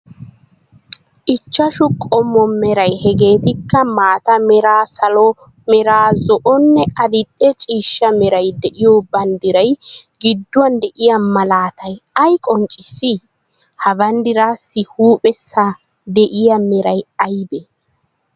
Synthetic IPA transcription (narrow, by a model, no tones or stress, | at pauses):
ʔɪt͡ʃːɐʃʊkʼɔmːɔmɛɾɐjhɛɡe̞ːt̪ɪkːɐmaːt̪ɐmɛɾaːsɐlɔ | mɛɾaːzɔʔɔnːɛɐd̪ɪɗːɛt͡ʃʼiːʃːɐmɛɾɐjd̪ɛʔɪjoːbɐnd̪ɪɾɐjɡɪd̪ːʊwɐnd̪ɛʔɪjamɐlaːt̪ʰɐjɐjkʼɔnt͡ʃʼɪsːɪ | hɐbɐnd̪ɪɾaːsːɪhuːpʼɛsːaː | d̪ɛʔɪjamɛɾɐjɐjbɛ